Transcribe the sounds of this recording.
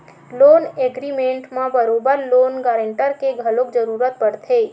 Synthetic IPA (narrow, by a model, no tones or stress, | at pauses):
loːneːɡɾimẽːɳʈmãbəɾoːbəɾloːnɡaːɾəɳʈəɾkeɡʱəlõkd͡ʒəɾuːɾət̪̚pəɽt̪ʰeː